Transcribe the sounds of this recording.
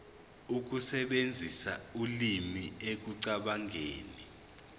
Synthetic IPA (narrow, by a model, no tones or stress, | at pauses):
uk̬usɛɓend͡zʱisa̰ulimiek̬uǀaɓaŋʱeːni